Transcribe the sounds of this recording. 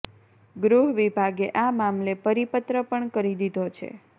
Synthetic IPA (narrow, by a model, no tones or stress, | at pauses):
ɡɾuɦʋibʱaɡeʔamamlepəɾipət̪ɾəpəɳkəɾid̪id̪ʱot͡ʃʰḛ